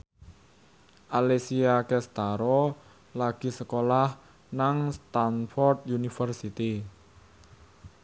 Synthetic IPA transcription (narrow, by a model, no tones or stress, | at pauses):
ʔalesiakɛst̪aɾɔ | laɡ̥i̤səkolah | naŋst̪anfɔrt̪junifərsit̪i